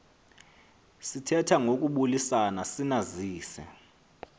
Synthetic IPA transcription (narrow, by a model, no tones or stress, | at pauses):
sitʰɛtʰaŋok̬ʼuɓulisanasinaziːsɛ̰